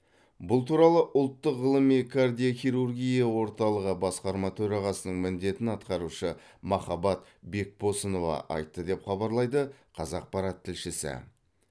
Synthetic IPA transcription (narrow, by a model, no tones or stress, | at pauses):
bʊlˠt̪ʰuɾɑlˠəʔʊlˠt̪ːəqʁəlˠəmijkʰard̪ʲijoχʲijɾurɡʲijɑwo̞ɾt̪ɑlˠəʁəbɑsqɑɾmɑt̪ʰɵɾɑʁɑsənəɴmɪnd̪e̞t̪ɪnɑt̪̚qɑɾuʃə | mɑχɑbɑt̪ | be̞k̚bo̞səno̞vɑ̰ʔɑ̰jt̪ːəd̪e̞pχɑbɑɾlˠɑjd̪əqʰɑzɑq̚pɑɾɑt̪ʰːɪlʃɪsɪ̰